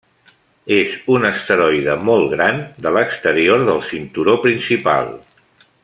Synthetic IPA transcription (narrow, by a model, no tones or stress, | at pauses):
ezunəst̪əɾɔjðəmɔlˠɣɾand̪ələkst̪əɾioɾðəlˠsint̪uɾopɾinsipa̰lˠ